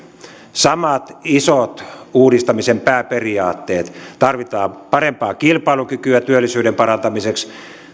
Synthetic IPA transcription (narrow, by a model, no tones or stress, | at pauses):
sɑmɑt̪isot̪uːdist̪ɑmisempæːperiɑːt̪ːeːt̪t̪ɑrʋit̪ɑːmpɑrempɑːkilpɑilukykyæt̪yølːisyːɾempɑɾɑnt̪ɑmiseks